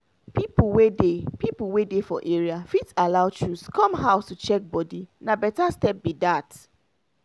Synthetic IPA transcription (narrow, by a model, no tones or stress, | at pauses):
pipuwedepipuwedefɔ̰ʔeɹiafitalaʊt͡ʃɹuskɔ̃mɦaʊstut͡ʃɛk̚bɔdinabɛtastɛp̚bidat